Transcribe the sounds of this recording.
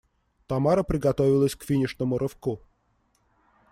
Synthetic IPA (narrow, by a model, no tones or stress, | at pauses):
t̪ɐmaɾəpɾʲɪɡɐt̪ovʲɪlˠəsʲkfʲinʲɪʂnəmʊɾʔɨfku